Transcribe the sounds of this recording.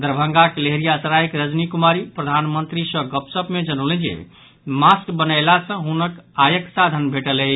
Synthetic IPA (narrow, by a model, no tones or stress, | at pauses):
d̪əɾbʱəŋɡakleɦɾijasəɾajkɾəd͡ʒnikumaɾipɾəd̪ʱanmənt̪ɾisə̃ɡəpsəpmed͡ʒənəʊlɛ̃nd͡ʒḛ | maskbənəɪlasə̃ɦunəkajəksad̪ʱənbʱeʈəlɛ